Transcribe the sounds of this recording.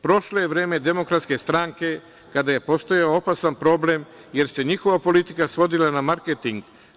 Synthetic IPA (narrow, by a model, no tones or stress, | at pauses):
pɾo̞ʃloje̞ʋɾe̞ːme̞d̪e̞mo̞kɾat̪ske̞st̪ɾaŋke̞ | kad̪aje̞po̞st̪o̞jaoopasanpɾo̞ble̞m | je̞ɾse̞ɲixo̞ʋapo̞lit̪ikasʋo̞d̪ilanamaɾket̪iŋɡ